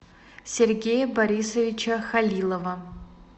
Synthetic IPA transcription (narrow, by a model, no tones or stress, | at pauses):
sʲerɡʲejɐbɐɾʲisɐvʲɪt͡ʃʰɐxɐlʲilˠɐvɐ